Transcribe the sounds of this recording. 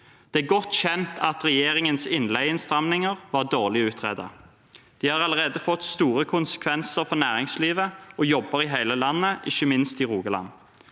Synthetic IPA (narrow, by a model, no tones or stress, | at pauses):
d̪̥ɛæɡɔt̪ːçɛnt̪ʰɑt̪ʁɛjeːʁɪŋənsɪnlæɪɪnst̪ʁɑmnɪŋəʁʋɑʁd̪oːʁlɪʉːt̪ʰʁeːd̪ɑ̰ | d̪̥iːhɑʁɑləʁeːd̪əfɔt̪st̪uːɾəkʰʊnsə̥kʰʋɛnsəɾfɔnæːʁɪŋsliːʋəɔjɔbːəʁɪɦæɪləlɑnːəʔɪçəmɪnst̪ɪʁuːɡəlɑ̰n